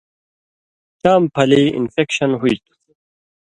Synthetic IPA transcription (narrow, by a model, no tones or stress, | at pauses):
t͡ɕaːmpʰɐliḭnfekɕɐnɦuit̪u̥